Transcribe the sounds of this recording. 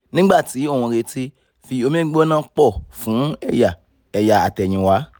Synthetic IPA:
nĩ˦ɡ͡ba˦˨ti˨˦o˦˨w̃ɔ̃˧ɾe˧ti˦ | fi˧o˧mĩ˦nã˦k͡pɔ˦˨fũ˨˦ɛ˦˨ja˨ | ɛ˨ja˨a˨tɛ˨ɲ̃ĩ˨wa˨˦

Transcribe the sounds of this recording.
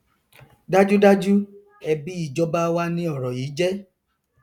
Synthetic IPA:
da˦d͡ʒu˦da˦d͡ʒu˦ | ɛ˧bi˦i˦˨d͡ʒɔ˧ba˦wa˦nĩ˦ɔ˦˨ɾɔ˨jiː˨˦d͡ʒɛ˦

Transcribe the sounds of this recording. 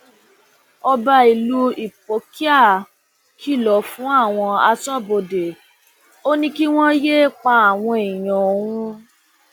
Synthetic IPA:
ɔ˧ba˧i˨lu˦i˨p̚o˨˦ki˦a˦˨ | kʰi˦˨lɔ˨˦fũ˨˦a˦˨w̃ɔ̃˧a˧sɔ˦˨bo˧de˨ | o˦nĩ˦ki˦w̃ɔ̃˦je˦k͡pa˧˦a˨w̃ɔ̃˧i˨j̃ɔ̃˨o˨w̃ũ˦

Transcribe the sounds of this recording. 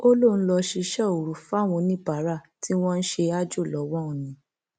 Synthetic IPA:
o˦lo˦˨ñ̩˦lɔ˧ʃi˧ʃɛ˦˨o˨ɾu˨fa˦˨w̃ɔ̃˧nĩ˦ba˨˦ɾa˦˨ | ti˦w̃ɔ̃˦n̩˦ʃe˧a˦d͡ʒo˦˨lɔ˨˦wɔ̃˦ũ˨nĩ˨˦

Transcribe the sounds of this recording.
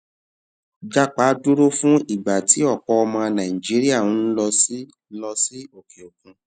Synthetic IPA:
d͡ʒa˦˨k͡pa˨˦du˦ɾo˦fũ˦i˨ɡ͡ba˨ti˨˦ɔ˦˨k͡pɔ˧˦ɔ˧mã˧nã˨ĩ˨d͡ʒi˨˦ɾi˦a˦˨ũ˨˦n̩˦lɔ˧si˦ | lɔ˧si˦o˦˨ke˨o˨kũ˧

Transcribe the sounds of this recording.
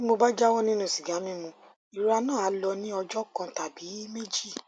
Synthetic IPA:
i˦mo˧ba˦d͡ʒa˦wɔ˦nĩ˦nũ˦˨si˨ɡa˨˦mĩ˦mũ˧˦ | i˨ɾa˧nãː˦˨a˨˦lɔ˧nĩ˦ɔ˧d͡ʒɔ˦kã˧ta˨bi˨˦me˦d͡ʒi˦˨

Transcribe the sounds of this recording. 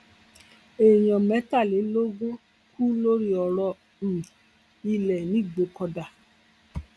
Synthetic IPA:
e˨jɔ̃˨mɛ˨˦ta˦˨le˨˦lo˦ɡo˦ | ku˦lo˦ɾi˦ɔ˨ɾɔ˧ | n̩˨ | i˧lɛ˨nĩ˨˦˨ɡ͡bo˧˦kɔ˧da˨

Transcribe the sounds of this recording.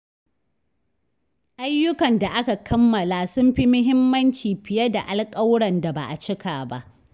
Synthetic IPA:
ʔa˦jːʊ˦kɐ˨nda˨ʔa˦ka˨kʰɐ˦mːɐ˨laː˨sʊ˦mɸi˦mʊ˦ɦɪ˦mːɐ˦nt͡ʃiː˨ɸɪ˨jɐ˦da˨ʔa˨lkʼɐ˦wɽɐ˨nda˨ba̰˨ʔa˨t͡ʃɪ˦kʰaː˨ba̰˦˨ʔ

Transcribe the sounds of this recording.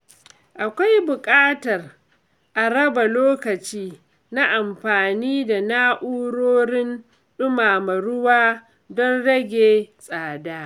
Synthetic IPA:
ʔa˨kʷa˦jbʊ˨kʼaː˦tɐ˨r | ʔa˨ɽɐ˦ba˨loː˦kɐ˨t͡ʃiː˦ | na˦ʔa˨mɸaː˨niː˦da˨naː˦ʔuː˦ɽoː˦ɾɪ˦n | ɗʊ˦maː˨mɐ˨ɽʊ˦waː˦ | dɔ˦nɽɐ˦ɡʲeː˨sʼaː˨daː˦

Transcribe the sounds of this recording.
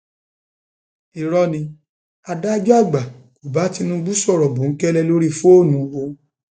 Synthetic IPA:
i˨ɾɔ˧˦nĩ˧ | a˧da˦d͡ʒɔ˦a˦˨ɡ͡ba˨ko˨ba˨˦ti˧nũ˧ɡ͡bu˦sɔ˦˨ɾɔ˨bũ˨ŋ̩˦kɛ˦lɛ˧lo˦ɾi˦fu˦o˦˨nũ˨˦wo˧

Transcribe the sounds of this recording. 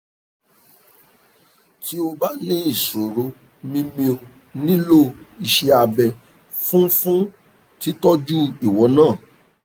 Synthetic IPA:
tʰi˦o˧ba˦nĩ˦i˦˨so˨ɾo˧ | mĩ˦mĩ˧o˧ | nĩ˦lo˦˨i˧ʃɛ˧a˧bɛ˧ | fũ˦fũ˦ | ti˦tɔ˦d͡ʒu˦i˨wɔ˨˦nãː˦˨

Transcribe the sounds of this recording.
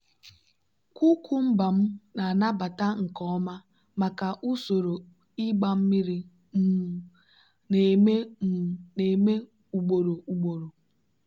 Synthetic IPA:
kʷu˦kʰu˦m̩˦ba˨m̩˦na˨na˦ba˨ta˦ŋ̩˨kɔ˦ɔ˦ma˦ | ma˨ka˨ʔu˦so˨ɾo˨ | i˦ɡ͡ba˦m̩˦mi˦ɾi˦˨ | ne˨me˦˨ | ne˨me˦ | u˨ɡ͡bo˨ɾo˨u˨ɡ͡bo˨ɾo˨

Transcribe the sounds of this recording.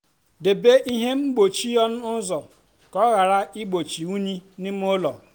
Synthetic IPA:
de˨be˦ʔi˦ɦe˦m̩˦ɡ͡bo˨t͡ʃi˦jɔ˦n̩˦ʊ˦zɔ˨ | kɔ˦ɣa˨ɾa˦i˦ɡ͡bo˨t͡ʃi˨u˦ɲi˦nɪ˦m˦o˦lɔ˨

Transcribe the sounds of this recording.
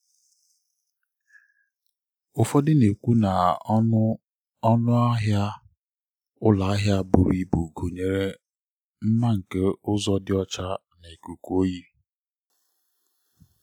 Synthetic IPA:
ʊ˨fɔ˦dɪ˦ne˨kʷu˦na˨ | ɔ˦nʊ˦ɦja˦ | ʊ˦la˨a˦ɦja˦bʊ˨ɾi˦bu˨ɡo˨ɲe˨ɾe˦ | m̩˦ma˦ŋ̩˨ke˦ʊ˦zɔ˦dɪ˦ɔ˦t͡ʃa˦ | ne˨ku˨ko˦ji˦

